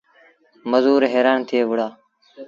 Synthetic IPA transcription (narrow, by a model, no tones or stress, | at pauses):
məzuːɾɦeːɾaːnt̪ʰɪeːʋʊɽaː